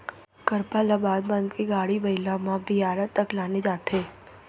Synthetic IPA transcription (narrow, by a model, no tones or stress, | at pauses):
kəɾpalabaːd̪bə̃nd̪keɡaːɽibɐɪlamãbɪjaːɾət̪ːəklaːned͡ʒaːt̪eː